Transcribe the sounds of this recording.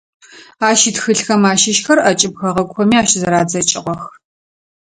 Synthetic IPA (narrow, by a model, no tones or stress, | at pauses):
aːʃitxɨɬxɐmaːʃɪʃxɐrʔɐt͡ʃʼɪb̚xɐʁɐkʷxʷɔmiːaːʃzɐɾaːd͡zɐt͡ʃʼɪʁʷɔx